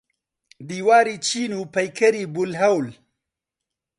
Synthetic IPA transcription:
d̪iwɑːɾit͡ʃinupajkaɾibʊlɦawl

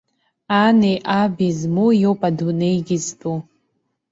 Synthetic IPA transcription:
anejʔabizmujowpʼadunejɡʲiztʰʼu

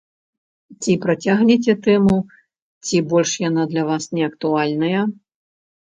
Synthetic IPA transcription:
t͡sʲipɾat͡sʲaɣnʲɛt͡sʲɛt̪ɛmu | t͡sʲibɔlʲʂjanad̪lʲɐvasnʲɛɐkt̪ualʲnɐjɐ

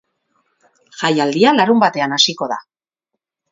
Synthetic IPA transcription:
ʝajald̪ialaɾumbat̪e̞anasiko̞ð̞a̰

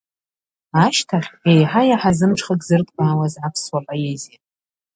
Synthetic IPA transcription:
aʃtʰaχʲejħajaħazɨmʈ͡ʂʰχakʼzɨrtʼqʼaːwazʕapʰswapʼajezitʼ

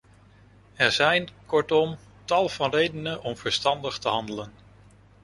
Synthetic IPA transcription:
ɛɹzɛjnkɔɹtɔm | tɑlˠv̥ɑnrejdənənʔɔmv̥əɹstɑndəχtəɦɑndələn

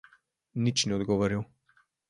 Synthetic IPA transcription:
nit͡ʃnɛɔd̪ɡɔʋɔɾiw

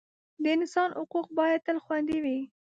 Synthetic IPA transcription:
d̪əɪnɪsɑnʔʊquq̚bɑjad̪̚t̪əlxwand̪iwi

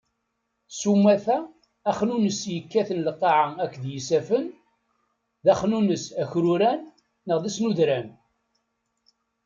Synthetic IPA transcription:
sumːæθæː | χnunəsjəkːæθənləqːɑʕaækːðjisæfən | ðæχnunəsæçɾuɾænː | əʁðisnuðɾæn

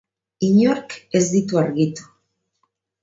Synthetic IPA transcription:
iɲoɾke̞zd̪it̪uaɾɣit̪u̥

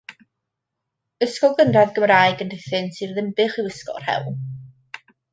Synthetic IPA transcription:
əskɔlˠɡənraðɡəmraːjɡəndɪθɨnsirðɪmbɨχɪwəskɔ̰r̥hɛ̰lˠlˠ

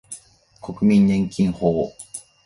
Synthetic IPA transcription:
kʰokɯ̟mʲĩɲɲẽŋkʲĩŋhoː

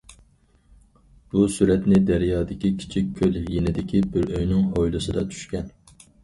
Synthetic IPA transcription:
b̥usyɾɛt̪nɪd̪æɾjɑːd̪ɪkʲikʲʰi̥t͡ʃʰikʲʰːøljenɪd̪ɪkʲʰibɪɾøjnɪŋhojlˠɨsɨd̪ɑt͡ʃ̪ʰy̥ʃkʲɛn

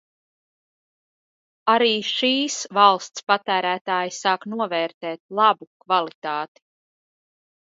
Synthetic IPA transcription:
aɾiːʃiːsvalˠst̪spat̪æːɾæːt̪aːjisɑːknuɔvɛːɾt̪ɛːt̪̚lˠabukvalˠit̪aːt̪i̥

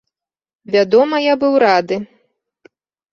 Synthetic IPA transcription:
vʲad̪ɔmɐjabɨwɾad̪ɨ

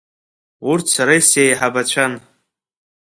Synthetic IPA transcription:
urtʰsaɾajsjajħabat͡ɕʷʰan

